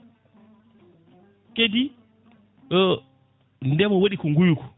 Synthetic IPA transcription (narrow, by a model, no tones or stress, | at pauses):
kedi | ndɛmɔwoɗikɔŋɡujukɔ̥